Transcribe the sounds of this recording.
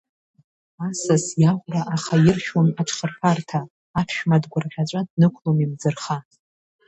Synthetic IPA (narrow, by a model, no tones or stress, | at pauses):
asasjaʁʷraʔaχajɪrʃᶣwonaʈ͡ʂʰχərpʰartʰaː | pʰʃᶣmadɡʷʊrʁʲat͡ʃʷʼadnɨkʷʰlomimd͡zɨrχa